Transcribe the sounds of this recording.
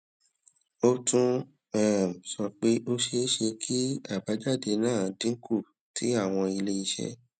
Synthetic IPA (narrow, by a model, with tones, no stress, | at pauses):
o˧tũ˧ | ɛ˦˨m̩˨sɔ˧k͡pe˦ʔo˧ʃe˧˦ʃe˧kʰi˦a˦˨ba˨˦d͡ʒa˦˨de˧nãː˦˨˧dĩ˨˦kʰu˦˨ | ti˨˦a˦˨w̃ɔ̃˧i˧le˧˦i˧ʃɛ̰˦